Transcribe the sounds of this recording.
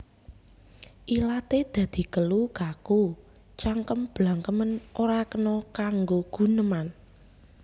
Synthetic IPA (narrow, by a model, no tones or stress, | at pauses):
ʔilat̪ed̪̥ä̤d̪̥i̤kəlukaku | t͡ʃaŋkəmb̥laŋkəmənʔoɾakənɔkaŋɡoɡ̥ṳnəman